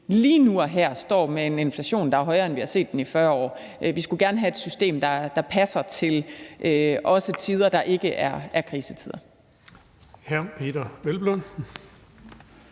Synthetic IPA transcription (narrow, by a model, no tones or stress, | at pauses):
liːnuɒɦæɐ̰sd̥ɒ̰ːmeene̝nflæɕo̝̰ːnd̥ɑ̈æɐɦɒ̽ɪɐenʋihɑ̈se̝̰ːd̥ːenifɶɐɒ̰ː | ʔʋisɡ̥uɡ̥æɐnəɦæe̝d̥sysd̥e̝̰ːmd̥ɑ̈d̥ɑ̈pʰæsɐt͡sʰe̝lʔøʔɒ̽sət͡sʰið̞ˠɐd̥ɑ̈ʔe̝ɡ̥əʔæɐʔæɐkʰʁiːsət͡sʰið̞ˠɐ | hæɐpʰe̝̰ːd̥ɐʋelb̥lɔn̩